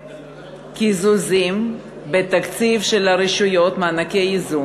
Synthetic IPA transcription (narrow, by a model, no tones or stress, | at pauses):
kizuzim | bet̪akt͡sivʃelaɾiʃujo̞t̪manakeizu